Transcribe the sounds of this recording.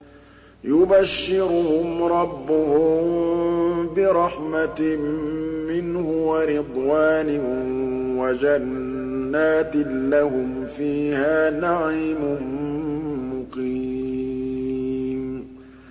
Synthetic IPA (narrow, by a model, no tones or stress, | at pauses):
jʊbaʃːɪɾʊhʊmɾˤɑbːʊhʊm | bɪɾˤɑħmammɪnhʊwaɾɪd̪ˤwaːnɪ | wad͡ʒanː | aːt̪ɪlahʊm | fiːhaːnaʕiːmʊn | mʊqi | m